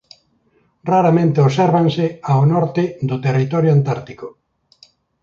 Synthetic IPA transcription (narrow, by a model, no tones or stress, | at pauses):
raɾamẽnt̪ɪosɛɾβansɪaonɔɾt̪ɪðd̪ʊt̪erit̪ɔɾjoant̪aɾt̪ikʊ